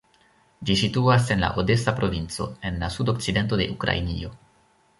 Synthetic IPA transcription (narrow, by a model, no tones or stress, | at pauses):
d͡ʒisituase̞nla̰ʔode̞sapɾo̞vint͡so̞̰e̞nlasudo̞kt͡side̞nt̬o̞de̞̰ʔukɾa̰inḭo̞